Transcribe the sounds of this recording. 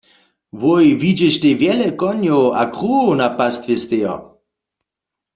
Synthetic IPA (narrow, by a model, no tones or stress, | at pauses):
vojvid͡ʒɛʃt̪evjɛlɛkɔnjowa̰kʁuonapast̪vest̪ejɔ̰